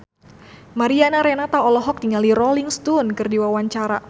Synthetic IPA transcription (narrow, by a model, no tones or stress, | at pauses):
maɾianaɾɛnat̪aɔlɔɦɔk̚t̪iŋaliɾɔliŋst̪unkɨrdiwawaɲt͡ʃaɾa